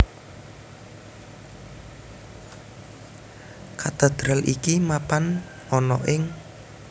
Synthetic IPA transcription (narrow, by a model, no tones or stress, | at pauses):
kat̪əd̪̥ɾalʔḭkimapan | ɔnɔ̰ʔɪŋ